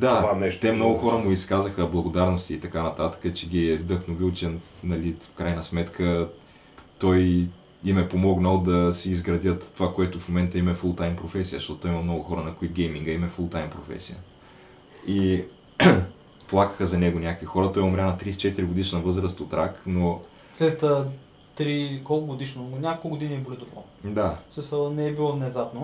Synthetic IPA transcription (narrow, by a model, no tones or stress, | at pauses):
d̪aɛt̪ɛmnɔɡʊxɔɾəmʊiskazəxəblˠɐɡod̪aɾnost̪iːt̪ɐkanɐt̪at̪ə̥kət͡ʃɛɡʲiɛvd̪əxnovilˠt͡ʃɛnɐlifkɾajnəsmɛt̪kʰə | t̪ɔj | imɛpomɔɡnəlˠd̪ɐsiːzɡɾɐd̪ʲjət̪ːovakoɛt̪ʊfmomɛnt̪əimɛfulˠt̪ajmpɾofɛsiəʃt̪ɔt̪t̪ɔimɐmnɔɡʊxɔɾənɐkoit̪̚ɡʲɛjmiŋɡəimɛfulˠt̪ajmpɾofɛ̰sijə̰ | i | plˠakə̥xəzɐnɛɡʊnʲakəkvixɔɾət̪ɔjɛʊmɾʲanɐt̪ɾist͡ʃɛt̪iɾiɡod̪iʃnnɐvɤzɾəst̪ot̪ɾakno | slɛt̪ə | t̪ɾikɔlˠkʊɡod̪iʃnonʲakokˠkɡod̪inibolid̪ʊpˠɔ̰ | d̪asmisəlˠnɛːbilˠɔvnɛzapno